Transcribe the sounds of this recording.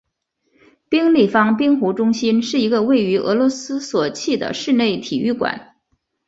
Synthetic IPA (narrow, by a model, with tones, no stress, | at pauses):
pi˥ŋli˥˩fɑ˥ŋpi˥ŋxu˧˥ʈ͡ʂʊ˥ŋɕi˥nʂɻ̩˥˩i˧˥ɡə˧we˥˩ɪy˧˥ʔɤ̰˧˥lwɔ˧˥sɹ̩˥swɔ˨˩t͡ɕʰi˥˩d̪ə̰˩ʂɻ̩˥˧ne˥˩ɪt̪ʰi˨˩y˥˩kwa̰˨˩˦n